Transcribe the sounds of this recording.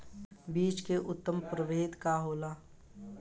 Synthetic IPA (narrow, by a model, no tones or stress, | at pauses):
biːt͡ʃkeʔʊt̪ːəmpɾəʋeːd̪kaɦoːlaː